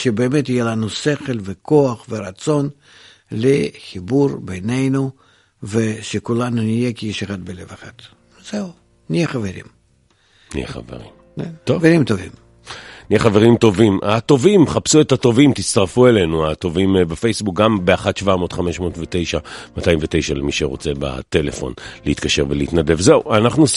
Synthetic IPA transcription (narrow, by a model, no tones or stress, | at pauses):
ʃebeːmet̪ɪjelanuse̞χelʲveko̞aχveɾat̪so̞n | lʲexʲiburbejne̞jnu | veʃekulanunije̞kʲijiʃeχad̪̚bele̞veχat̪ | z̥eu | nʲijeχɐveɾʲḭm | nḭjḛχa̰vḛʁḭm | eoveɾʲimt̪ovʲḭm | nijeχaveʁimt̪o̞vimʔat̪o̞vimχapsuet̪at̪o̞vimt̪it͡st̪aʁfue̞lenuat̪o̞vimbafe̞jsbuk̚ɡambeaχat̪ʃvamo̞ːt̪χame̞ʃmo̞ːt̪vet̪e̞jʃamat̪ajimvet̪e̞jʃalemiʃeʁo̰t͡se̞ba̰t̪e̞lḛfo̞̰nleit̪kaʃe̞ʁveliit̪nad̪e̞vzeuʔanaχnu